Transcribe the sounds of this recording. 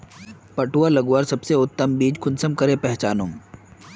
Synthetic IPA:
pɐʈuːalɐɡuaːɾsɐbseʊt̪ːəmbiːd͡ʒkʰʊnsəmkɐɾepɛɦt͡ʃaːnõːm

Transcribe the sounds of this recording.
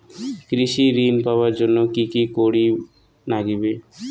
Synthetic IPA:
kɾiʃiɾinpabaɾd͡ʒonːokikikoɽi | naɡibe

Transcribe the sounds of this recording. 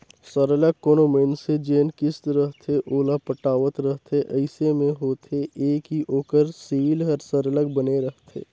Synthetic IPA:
səɾələɡ̚koːnoːmeːnsed͡ʒeːnkɪst̪ɾəɦt̪ʰeʔoːlapəʈaːʋət̪ɾəɦt̪ʰeʔəɪsemẽɦoːt̪ʰeʔeːkɦiʔoːkəɾsiːlɦəɾsəɾələɡ̚bəneɾəɦt̪ʰḛː

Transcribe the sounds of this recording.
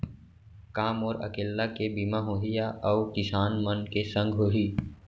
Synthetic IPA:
kaːmɔːɾɐ̰keːlːakebimaɦoːɦijaʔɔːkɪsaːnmənkesə̃ŋɡʱɦoɦiː

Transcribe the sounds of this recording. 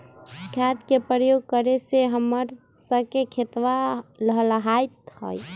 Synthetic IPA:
kʰat̪kepɾəjoɡ̚kəɾeseɦəmːəɾ | səbkekʰet̪ʋaləɦələɦajt̪hə̰j

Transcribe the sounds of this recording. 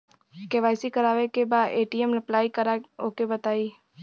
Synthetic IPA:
keʋaːɪsikɐɾaːʋekebaːd̪eːʈiɛmɾɐplaːikɐɾaoːkebɐt̪aːiː

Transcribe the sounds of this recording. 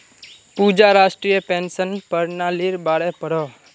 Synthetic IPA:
pud͡ʒaːɾaːʃʈɾijəpẽːnsənpəɾnaːliɾbaːɽepəɽoː

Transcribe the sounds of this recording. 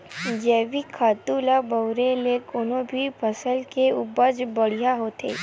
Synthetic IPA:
d͡ʒɛːʋikʰaːt̪uːlabɐwɾelekʊnõbʱipʰəsəlkeʊbəd͡ʒbəɽ̤ijaɦoːt̪ʰḛː

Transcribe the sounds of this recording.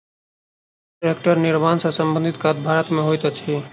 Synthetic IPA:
ɾekʈəɾnɪɾmaːnsasə̃mbə̃nd̪ʱɪt̪kat̪̚bʱaːɾət̪mẽɦojt̪at͡ʃʰi

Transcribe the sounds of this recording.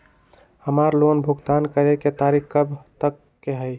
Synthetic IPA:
həmaɾlonbʱuɡt̪ankəɾeket̪aɾikkəbʱt̪əkːeɦəj

